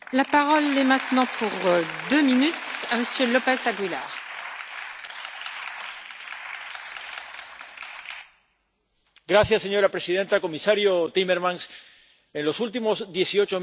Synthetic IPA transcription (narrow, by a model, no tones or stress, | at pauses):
lapaʁɔlɛmɛ̃t̪nɑ̃puʁd̪øminyt̪aməsjølopɛzaɡwila̰ːʁ | ɡɾasjasːeɲoɾapɾesiðent̪akomisaɾjot̪imeɾmãns | ẽnlosult̪̬imozðjesiot͡ʃo